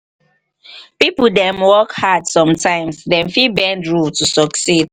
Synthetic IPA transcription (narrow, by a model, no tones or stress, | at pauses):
pipuldɛ̃mwɔkhadsɔ̃mtʰãɪ̃msdɛ̃mfibɛ̃ndɹultusɔksid